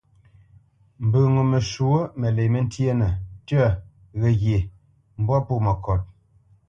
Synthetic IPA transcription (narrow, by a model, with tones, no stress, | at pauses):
m̩˨bə˨ŋo˨me˨ʃu˨o˦me˨le˨me˦n̩˦tje˦nə˨tə˦˨ | ɣɛ˨ɣje˨ | m̩˦bwɔ˦pu˦˨mə˨kɔ˨t̚